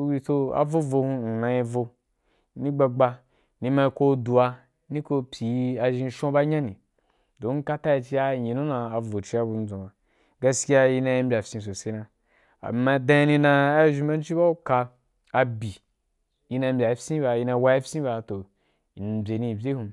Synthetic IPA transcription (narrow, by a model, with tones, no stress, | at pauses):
wi˧to˧a̰˨vo˦vo˧hũ˧n̩˨nã˧i˧vo˧ | ni˦ɡ͡ba˧ɡ͡ba˧ | ni˧ma˧i˧ko˧du˨a˧ | ni˦ko˧pʲi˨˦a˧ʒĩ˧˦ʃõ˦ba˦ɲã˦nĩ˨ | do˨˦ŋ̩˦ka˦ta˦i˧t͡ʃi˦a˦˨ɲi˨nũ˦nã˨˧a˨vo˨t͡ʃi˦a˧bu˧n̩˦d͡zõ˨ba˨ | ɡa˧ski˦a˧ji˧nã˧i˧˦bʲa˨fʲsĩ˧s̬o˨se˦nã˧ | a̰˨ma˧˨dã˧˦i˧nĩ˧nã˧a˦ʒi˧m˦ba˦n˦t͡ʃi˦ba˦u˦ka˧ | a˨bi˨ | ji˧nã˧m̩˦bʲa˨˦fsĩ˦ba˧ji˧˦na˧˦wa˦ji˦fsĩ˦ba˧to˨ | n˨bʲe˨nĩ˧˨bʲe˦hũ˧